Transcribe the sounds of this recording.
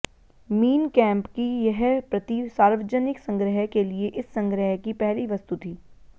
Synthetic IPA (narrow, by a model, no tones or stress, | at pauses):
miːnkɛ̃ːmpkijɛɦpɾɐt̪isaːɾʋəd͡ʒənɪksɐ̃ŋɡɾəɦəkelieʔɪsːɐ̃ŋɡɾəɦəkipɛɦliʋɐst̪ut̪ʰiː